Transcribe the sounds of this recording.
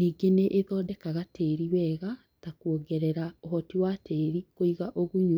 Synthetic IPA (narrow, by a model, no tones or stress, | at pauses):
niːɡeneʔeðɔːdɛkaɣatʰeːɾiwɛːɣa | takuoɡɛɾɛɾaoɦɔtiwateːɾikoiɣaʔoɣuɲu